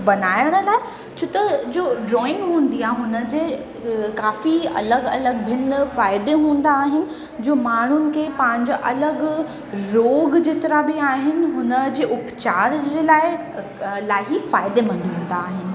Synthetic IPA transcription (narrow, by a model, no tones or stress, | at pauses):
bɐnaːɪəɽ̃ə̆laːɪ | t͡ɕʰot̪ɐd͡ʑoːɖɾɔːɪ̃ŋɡɦũːn̆d̪iaːɦɦʊnəd͡ʑeː | kaːfiɐ̰ləɡɐləɡbʱɪnfaːɪd̪eɦũːn̆d̪aːɦɪnɪ̆ | d͡ʑoːmaːɳ̤ʊnɪ̆kʰeːpãɦɪ̃ɲd͡ʑaʔɐləɡ | ɾoːɡd͡ʑeːt̪ɐɾabɪaːɦɪnɪ̆ɦʊnəd͡ʑeːʔʊpt͡ɕaːɾd͡ʑeːlaːɪ | laːɪɦifaːɪd̪emɐ̃nd̪iɦũːn̆d̪aːɦɪnɪ̆